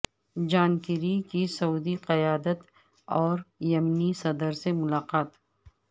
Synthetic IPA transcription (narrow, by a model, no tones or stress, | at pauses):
d͡ʒaːnkɪɾikisɐuːd̪iqɐjaːd̪ət̪ | ɔːɾjɐmnisɐd̪əɾsemʊlaːqaːt̪